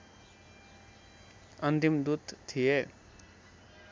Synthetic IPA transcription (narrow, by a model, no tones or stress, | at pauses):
ənt̪imd̪ut̪t̪ʰːije